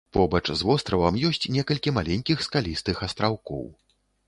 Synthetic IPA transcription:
pɔbɐt͡ʂzvɔst̪ɾɐvɐmjɔsʲt͡sʲnʲɛkɐlʲkʲimalʲenʲkʲixskalʲist̪ɨxɐst̪ɾawkɔ̰w

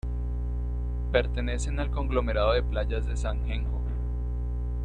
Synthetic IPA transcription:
pe̞ɾt̪e̞ne̞se̞nalko̞ŋɡlo̞me̞ɾaðoðe̞plaʝazd̪e̞saŋxeŋho̰

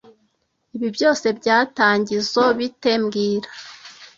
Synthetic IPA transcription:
iβibjo̞ːse̞bɟaːtaːɲɟizo̞βite̞mɡiːɾa

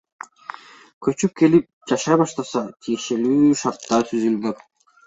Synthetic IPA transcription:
kʰø̞t͡ʃyp̚ke̞lip̚d͡ʒɑʃɑjbɑʃt̪ɑsɑt̪ʰije̞ʃe̞lyːʃɑɾt̪ːɑt̪ʰyzylɡøk

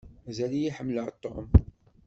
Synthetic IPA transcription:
æzælijiħəmːləʕt̪ˤːom

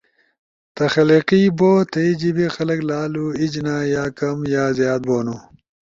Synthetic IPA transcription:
t̪ɐxɐliqiboːt̪ɐid͡ʑibixɐlɐklaːluid͡ʑnaːjaːkɐmjaːzjaːd̪̚boːnu

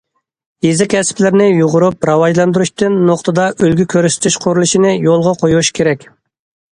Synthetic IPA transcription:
jezɪkʲʰɛsɪ̥plɪɾnɪjuʁʊɾup̚ɾɑwɑʒlˠɑnd̪uɾuʃt̪ɨnːoqt̪ʰɨd̪ɑʔølɡʲykʲʰøɾsɪ̥t̪ʰyʃqʰʊɾulˠuʃinɪjolˠʁɑqʰojuʃkʲʰeɾɛkʲ

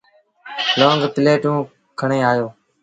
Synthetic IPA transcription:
lõːŋɡt̪ɪleːʈũː | kʰəɳeːaːjoː

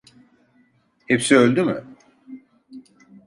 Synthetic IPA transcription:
hepsiølʲd̪ymʏ̰

